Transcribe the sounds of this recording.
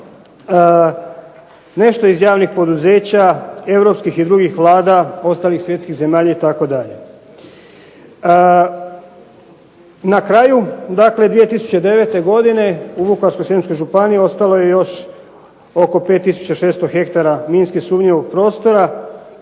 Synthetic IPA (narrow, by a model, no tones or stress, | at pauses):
ne̞ʃt̪oizjaːʋnixpo̞d̪uze̞ːt͡ɕae̞ʋɾo̞pskixid̪ɾuɡixʋlˠaːd̪ao̞st̪aːlixsʋje̞t̪skiɣze̞maːʎait̪ako̞d̪aʎe̞ | nakɾajud̪akle̞d̪ʋije̞t̪isu̥t͡ɕed̪e̞ʋe̞t̪e̞ɡo̞d̪ine̞ubukaɾskojsemsko̞jʒupaniio̞st̪alo̞je̞jo̞ʃ | o̞ko̞pet̪ːisu̥t͡ɕaʃe̞ːst̪oxe̞kt̪aɾaminskixsuːmɲeʋo̞ɡ̚pɾo̞ːst̪o̞ɾa